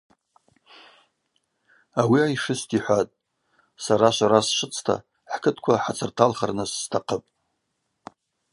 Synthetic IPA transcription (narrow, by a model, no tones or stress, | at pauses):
awiajʂɨstʰʼiħʷatʼ | saɾaʃʷaɾasʂɨt͡sʰtʰa̰ | ħkʰɨtʰkʷʰaħat͡sʰɨrtʰalχarnɨsːtʰaqʰəpʼ